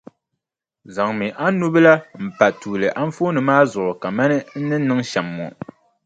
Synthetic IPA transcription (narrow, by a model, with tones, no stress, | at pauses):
za˨ŋmɨ˨ʔa˦nu˦bɨ˦la˦m̩˨pa˨tuː˨lɨ˨ʔa˦m˦foː˦nɨ˨maː˦zʊ˨ʔʊ˨ka˨ma˦nɨ˦n̩˦nɨ˦nɨ˦ŋʃɛ˨mːɔ̰˨